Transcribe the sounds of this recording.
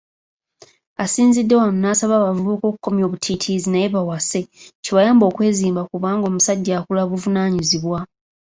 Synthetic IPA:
asiːnzidːe̞wanunaːsaβaːβavuβuko̞ku̥kːo̞mjo̞βutʰitʰizinajeβawase̞ciβajaːmbo̞ːkwe̞ːziːmbakuβaːŋɡo̞ːmusaɟːaːkulaβuvunaːɲiziβwa

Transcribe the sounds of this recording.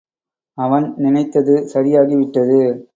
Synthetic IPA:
ɐʋɐnnɪnɐɪt̪ːɐðɯsɐɾɪjaːɣiʋɪʈːɐðɯ

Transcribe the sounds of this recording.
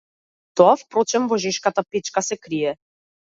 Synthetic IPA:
t̪oafpɾot͡ʃɛmvɔʒɛʃkat̪apet͡ʃkasɛkɾijɛ

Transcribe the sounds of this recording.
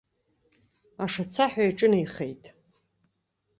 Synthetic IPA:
aʂat͡sʰaħʷᶣajʈ͡ʂʼɨnajχḛjtʼ

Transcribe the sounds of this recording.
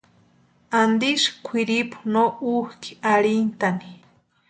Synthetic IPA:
and̪iʃkʷʰiɾipu̥nouhki̥aɾint̪ani̥

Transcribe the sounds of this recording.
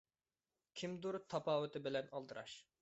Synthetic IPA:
kʲʰimd̪uɾt̪ʰɑpɑːwɨt̪ʰɪbɪlɛnɑlˠd̪ɨɾɑ̰ʃ

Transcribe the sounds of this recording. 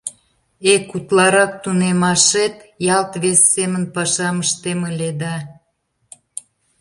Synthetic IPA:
ekut̪lɑɾɑk̚t̪unemɑʃet̪jɑlt̪βesːemənpɑʃɑməʃt̪eməled̪ɑ

